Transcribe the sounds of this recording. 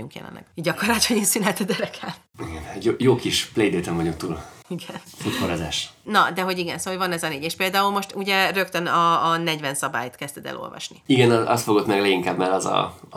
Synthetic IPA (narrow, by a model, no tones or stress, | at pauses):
uŋkjɛ̰lɛ̰nlːɛ̰ɡ̥ɟɒkorlɒthoɟeːnsynɦɛt̪ɛdʲɛɾɛkʰɛl | iɡɛnjoːjoːkiʃplejd̪eːt̪ɛmvɒɟuk̚t̪uːliɡɛnfut̪koɾaza̰ːʃnɒd̪ɛɦo̞ɟiɡɛ̰nsoːovɒnɛzɒneːɟeːʃpeːld̪aːulmo̞ʃt̪uɟɛrø̞kt̪ønɒːnɛɟvɛnsɒba̰ːjt̪kɛst̪ɛd̪ɛ̰lʔo̞̰lvɒ̰ʃniiɡɛnɒɒ̰st̪foɡo̞t̪mɛɡlɛɡiŋkaːbmɛlɒzɒ̰